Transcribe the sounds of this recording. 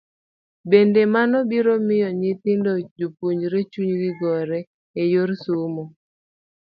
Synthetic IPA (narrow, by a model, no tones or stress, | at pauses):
bendemanɔbiɾomɪjɔɲɪt̪ɪndod͡ʒupuɲɾet͡ʃuɲɡɪɡɔɾɛ | ejoɾsumɔ